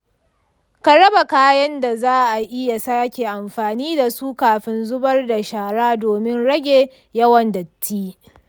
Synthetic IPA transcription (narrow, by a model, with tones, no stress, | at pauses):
ka˨ɽɐ˦ba˨kaː˦jɐ˦nda˨zaː˦ʔa˨ʔɪ˦ja˨saː˦kʲe˨ʔa˨mɸaː˨niː˦da˨suː˦kaː˨ɸɪ˦nzʊ˦bɐ˦rda˨ʃaː˨ɽaː˦doː˨mɪ˦nɽɐ˦ɡʲeː˨ | jɐ˦wɐ˨ndɐ˨tʰːiː˦